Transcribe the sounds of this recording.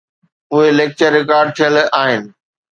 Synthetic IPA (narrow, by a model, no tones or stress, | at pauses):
ʊɦeleːk̚t͡ɕəɾːɪkaːɾɖ̚t̪ʰijəlaːɦɪnɪ̆